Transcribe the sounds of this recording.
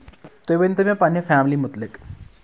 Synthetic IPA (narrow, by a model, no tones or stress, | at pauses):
t̪ojʋent̪ɐmẽpanefaːmlimʊt̪lɪk